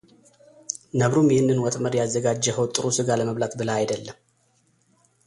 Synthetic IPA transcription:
nəβɾumjɪhɨnːɨnwɔt̪ʼməɾjazːəɡad͡ʒːəhəwt̪ʼɨɾusɨɡaləməβlat̪bɨləajd̪əlːəm

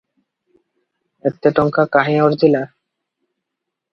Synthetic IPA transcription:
ek̚t̪ːeʈɔŋkakaɦeoɾd͡ʑila

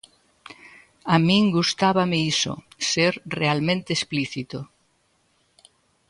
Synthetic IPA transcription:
amĩŋɡust̪aβameiso̰seɾrealmẽnt̪eːspliθit̪o

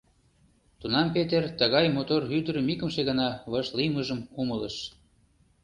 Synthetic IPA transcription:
t̪unɑmpet̪ert̪ə̆ɣɑjmot̪orhyd̪əɾə̆mikə̆mʃeɣənɑβɤʃliməʒəmkumələʃ

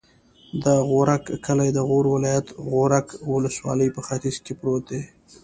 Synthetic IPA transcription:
d̪əɣoɾakkʰəlajd̪əɣoɾwɪlɑjat̪ɣoɾakwʊləswɑ̰ləjpəxat̪ɪzkepɾot̪̚d̪e

